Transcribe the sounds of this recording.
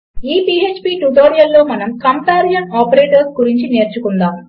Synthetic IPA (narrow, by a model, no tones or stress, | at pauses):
iːpiet͡ʃpiːʈuʈoːɾijɐlːo̞ːmɐnɐmkɐmp̪aːɾjɐnaːpɐɾeːʈɐɾsɡuɾiɲt͡ʃine̞ːɾt͡ʃukund̪aːm